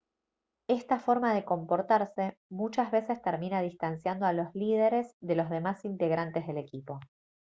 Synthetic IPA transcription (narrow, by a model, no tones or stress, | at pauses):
est̪afo̞ɾmaðe̞ko̞mpo̞ɾt̪aɾse̞mut͡ʃazβe̞se̞st̪eɾminaðist̪ansjand̪oalo̞zlið̞e̞ɾe̞zðe̞lo̞zð̞e̞masint̪e̞ɣɾant̪ezð̞e̞le̞kipo̞